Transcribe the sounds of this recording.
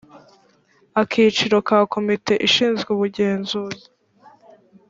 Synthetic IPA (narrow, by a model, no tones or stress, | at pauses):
akʰiːt͡ʃiɾo̞kaːkʰo̞mite̞ʔiʃiːnzɡeuβuɟe̞ːnzuːzi